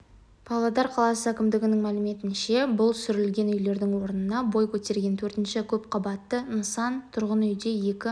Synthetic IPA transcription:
pʰɑlˠɑd̪ɑɾqʰɑlˠɑsəækʲɪmd̪ɪɡʲɪnɪŋmælɪme̞t̪ɪnʃe̞bʊlˠsʏɾɪlɡʲe̞nʏjle̞ɾd̪ɪŋwo̞ɾənənɑbo̞jkʲʰɵt̪e̞ɾɡʲe̞nt̪ʰɵɾt̪ɪnʃɪkʲʰɵp̚qʰɑbɑt̪ːənəsɑnt̪ʰʊɾʁənʏjd̪e̞je̞kʲɪ

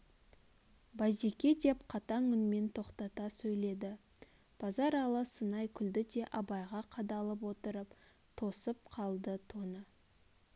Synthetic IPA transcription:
bɑzekʲe̞d̪e̞pqʰɑt̪ɑŋʏnme̞nt̪ʰo̞qt̪ɑt̪ɑsɵjle̞d̪ɪ | b̥ɑzɑɾɑlˠəsənɑjkʲʰʏld̪ɪd̪e̞ʔɑbɑjʁɑqʰɑd̪ɑlˠəp̬wo̞t̪əɾəp | t̪ʰo̞səp̚qʰɑlˠd̪ət̪ʰonə

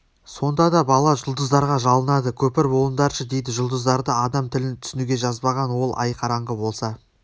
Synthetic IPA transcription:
so̞nd̪ɑd̪ɑbɑlˠɑʒʊlˠd̪əzd̪ɑɾʁɑʒɑlˠənɑd̪əkʲʰɵpɪɾbo̞lˠənd̪ɑɾʃəd̪e̞jd̪ɪʒʊlˠd̪əzd̪ɑɾd̪əɑd̪ɑmt̪ʰɪlɪnt̪ʰʏ̥sɪnuɡʲe̞ʒɑzbɑʁɑnwo̞lˠʔɑ̰jqʰɑɾɑɴʁəbo̞lˠsɑ

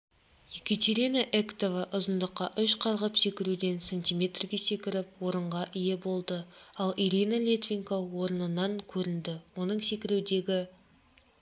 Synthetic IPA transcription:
jekʲet̪ʲeɾinaʔekt̪ovɑʔʊzənd̪əqːɑʔʏʃqʰɑɾʁəpse̞kʲɪɾud̪e̞nsenʲt̪ʲijmʲe̞t̪rɡʲe̞se̞kʲɪɾɪp̚woɾəɴʁɑʔɪje̞bo̞lˠd̪əɑlˠiɾʲinalʲet̪vʲiŋkowo̞ɾənənɑŋkʲʰɵɾɪnd̪ɪwo̞nəɴse̞kʲɪɾud̪e̞ɡʲɪ

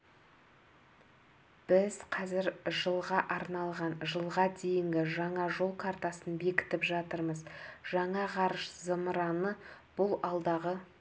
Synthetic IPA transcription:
b̥ɪz̥qʰɑzɪɾʒəlˠʁɑʔɑɾnɑlˠʁɑnʒəlˠʁɑd̪e̞jɪŋɡʲɪʒɑɴɑʒo̞lˠkʰart̪ɑsənbe̞kʲɪ̥t̪ɪpʒɑt̪əɾməzʒɑɴɑʁɑɾəʃzəmɾɑnəb̥ʊlˠɑlˠd̪ɑʁə

